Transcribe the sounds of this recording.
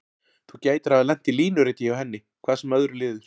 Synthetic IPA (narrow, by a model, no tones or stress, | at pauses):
θucaːjt̪aɾ̥avðalɛn̥t̪iliːnʏɾɪːt̪ɪawhɛnːɪ | kʰvaːðsɛmœðɾʏlɪːðʏɾ̥